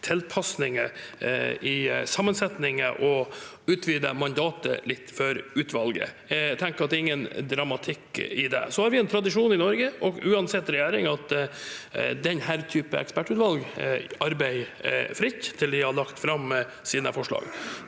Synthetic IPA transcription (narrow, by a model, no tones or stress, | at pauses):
t̪ʰɛlpʰɑsnɪŋə | ʔɪsɑmːənsɛt̪nɪŋə̰ʔɔ | ʉːt̪ʰʋyːd̪əmɑnd̪ɑːt̪ə̰lɪt̪ːfɔɾʉːt̪ʰʋɑlɡə̰ | t̪ʰɛŋkəɾɑt̪̚ɛɾɪŋːənd̪ɾɑmɑt̪ʰɪkːɪd̪ɛ̰sɔhɑɾʋɪɛnt̪ʰɾɑd̪ɪʂuːnɪnɔɾɡəʔɔɡʉːɑnsɛt̪ːɾɛjæːɾɪŋɑt̪ | d̪ɛnɦæːɾt̪ʰyːpə̰ɛ̰kspæʈːʉːt̪ʋɑlɡɑɾbæɪ̰fɾɪt̪t̪ʰɪld̪ɪhɑɭɑkt̪fɾɑm | siːd̪nəfɔʂɭɑ̰ːɡ